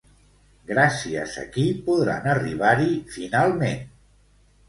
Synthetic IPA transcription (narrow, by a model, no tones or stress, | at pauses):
ɡɾasiə̰zə̰kipuðɾa̰nəriβ̞aɾifinalˠmen